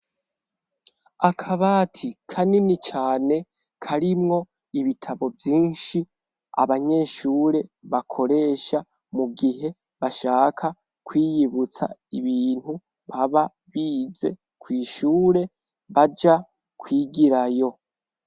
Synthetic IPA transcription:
akʰaβaːtʰikʰaninit͡ʃaːne̞ | kʰaɾimŋo̞ | iβitʰaβo̞vjiːnʃi | a̰βaɲe̞ʃuːɾe̞βakʰo̞ɾe̞ːʃa | muɡiɦe̞ | βaʃaːkʰa | kwiːjiβut͡sa̰iβiːn̥hu | βaβa | βiːze̞̰ | kwiːʃuːɾe̞ | βad͡ʒa | kʰwiːɡiɾajo̞

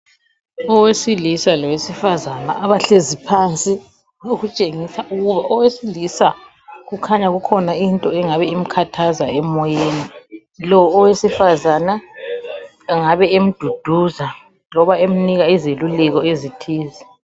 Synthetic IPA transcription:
ɔwesilisalɔwesifazana̰ʔaβaɬezipʰant͡sʼi | noɣut͡ʃʼeŋisaʔuɣuβaʔɔwesilisa | ɣukʰaɲaɣukʰɔnaintʼɔɛŋaβɛim̩kʰatʰazaɛmɔjeːni | lɔːwesifazana | ŋaβɛem̩d̥ʱud̥ʱuza | lɔβaem̩niɣaizelulɛɣɔezitʰiːzi

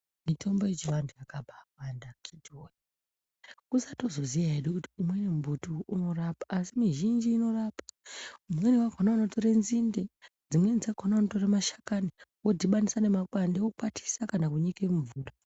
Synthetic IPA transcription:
mitʰo̞mbojet͡ʃiʋandujakabʱawandakʰidʱoji | kusato̞zo̞zijaeɗukuti̥umwenemubʱutuuno̞rapaʔːsimiʒind͡ʒiːno̞raːpḁumwenewakonaanoto̞ɾenzinde̞ | d͡zimwe̞nd͡zaɡʱonaanoto̞ramaʃḁkaniwodiɓanisane̞makwandewokukatʰi̥sakanakuɲikemuvuːto

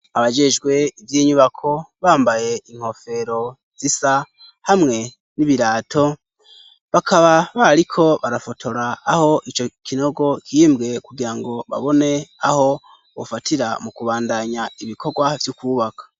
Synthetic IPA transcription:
aβad͡ʒe̞ʒɡwe̞ivjiɲuβakʰo̞βaːmbaje̞iŋ̥ho̞fe̞ɾo̞ | z̥isa | hamŋe̞ | niβiɾaːtʰo̞ | βakʰaβaβaɾikʰo̞βaɾafo̞tʰo̞ɾaːho̞ʔit͡ʃo̞kʰino̞ɡo̞kʰimbɡe̞kuɡiɾaŋɡo̞βa̰βo̞ne̞aho̞ | βo̰fatiɾamukuβaːndaɲaiβikʰoɡwavjukuːβakḁ

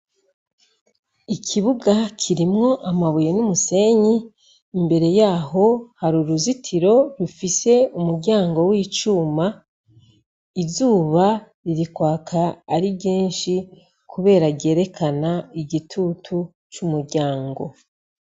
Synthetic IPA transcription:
ikʰiβuɡakʰiɾimŋo̞ʔamaβujenumuse̞ɲiː | mbe̞ɾe̞jaːɦo̞haɾuɾuzitʰiɾo̞ɾufise̞umuɾɟaːŋɡo̞wiːt͡ʃuːma | izuːβa | ɾiɾikwaːkʰaːɾibɟiːnʃi | kʰuβe̞ːɾaɟe̞ːɾe̞kʰanaiɟitʰutʰu | t͡ʃumuɾɟaːŋɡo̞̰

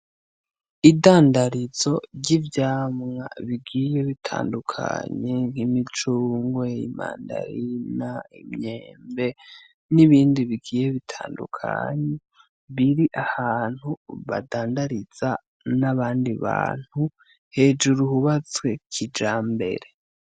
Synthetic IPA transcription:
idaːndaɾizo̞ɾɟivjaːmŋa̰βiɡiːje̞βitʰa̰ːndukʰa̰ɲe̞ŋhimit͡ʃuːŋɡwe̞ima̰ːnda̰ɾinaimɲeːmbe̞ | niβiːndiβiɡiːje̞βitʰaːndṵkʰa̰ɲe | βiɾiʔahaːn̥huβa̰daːndaɾiz̥a | naβaːndiβa̰ːn̥hu | he̞ːd͡ʒuɾuhuβat͡swe̞kʰid͡ʒaːmbe̞̰ɾe̞

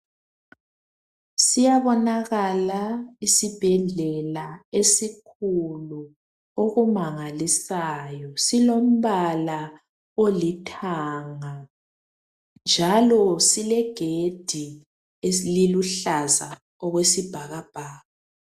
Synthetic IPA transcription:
sijaβɔnaɣalaisib̥ʱɛɮɛlaesikʰulu | oɣumaŋalisajɔsilom̩βala | olitʰaŋa | nd͡ʒʱalɔsilɛɡ̥ʱed̥ʱi | eliluɬaza | ɔɣwesib̥ʱaɣab̥ʱaːɣa

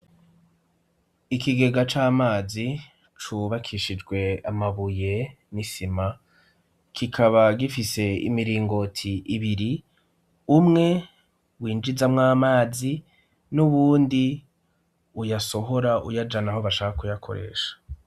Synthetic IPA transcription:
ikiɡe̞ɡat͡ʃaːmaːzi | t͡ʃuβakʰiʃid͡ʒɡwe̞amaβuje̞ | nisima | kʰikʰaβaɡifise̞ḭmiɾiːŋɡo̞tʰiʔːβiɾi | umŋe̞ | wiːnd͡ʒizamŋaːmaːzi | nuβuːndi | ujaso̞ɦo̞ɾaʔṵjad͡ʒanaɦo̞βaʃaːkakujakʰo̞̰ɾḛːʃḁ

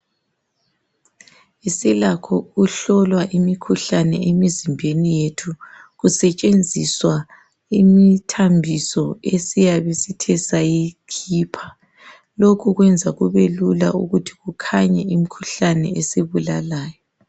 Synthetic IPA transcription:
isilakʰɔuɬɔlwaʔimikʰuɬanɛ̰emizimbʱenijetʰuɣusɛt͡ʃʼend͡zʱiswa | imitʰambʱisɔesijaβesitʰɛsajikʰiːpʰḁ | lokʰuɣwɛnd͡zʱaɣuβelula̰uɣutʰi̥ɣukʰaɲɛimikʰuɬanɛ̰eseβulalaːjɔ

